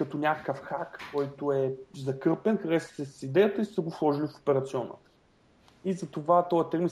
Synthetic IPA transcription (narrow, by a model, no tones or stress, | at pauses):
kɐt̪ɔnʲakəkəfxakːɔjt̪oɛzɐkɤpɛnkɐd̪ɛssɛssid̪ɛjət̪əisɐɡoslˠɔʒilifo̥pɛɾɐt̪siɔnə̰ | izɐt̪ovat̪ɔjət̪ɛɾmin